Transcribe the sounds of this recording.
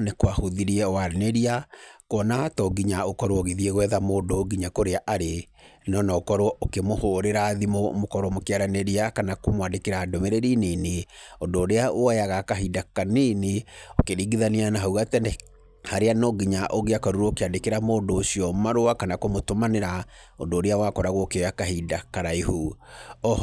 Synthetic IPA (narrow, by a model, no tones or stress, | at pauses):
nekwahoðiɾiɛwaɾneɾiakɔnatɔɡiɲaokɔɾwɔɣeðieɣwɛðamoːndoɡiɲakoɾeaʔaɾe | nɔnɔokɔɾwɔokemohoɾeɾaðimomokɔɾɔmokeaɾaneɾiakanakomwadekeɾaːdomeɾeɾineneondoːɾeaoajaɣakaɦidakaneneokeɾiːɡiðanianaɦauɣatɛɛ | haɾeanɔɡiɲaʔoɣeakaɾuɾoːkeadekeɾamoːndoːsiɔmaɾoakanakomotomaneɾa | ondoːɾeawakɔɾaɣɔːkeojakaɦidakaɾaihuɔ